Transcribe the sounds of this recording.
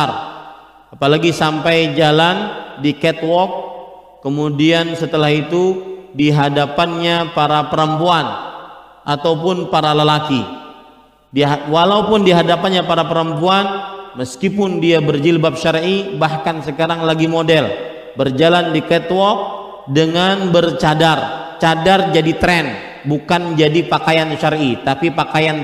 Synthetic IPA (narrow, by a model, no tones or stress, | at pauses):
ar | apalaɡisampajd͡ʒalandikɛt̪wɔk̚ː | əmudiansət̪əlahit̪udiɦadapanɲapaɾapəɾəmpuan | ʔat̪awpʊnpaɾaləlaki | dwalaupʊndiɦadapanɲapaɾapəɾəmpuanməskipʊndiabərd͡ʒilbap̚ʃaɾʔibahkansəkaɾaŋlaɡimodɛl | bərd͡ʒalandikɛt̪wɔk̚ | dəŋanbərt͡ʃadart͡ʃadard͡ʒadit̪ɾɛn | bukand͡ʒadipakajanʃaɾit̪apipakajan